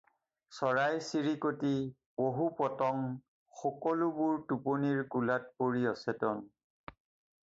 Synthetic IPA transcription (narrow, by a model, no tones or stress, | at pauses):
sɔɹajsiɹikoti | boɦupɔtɔŋ | xɔkɔlubuɹtuponiɹkulat̚poɹiɔsɛtɔn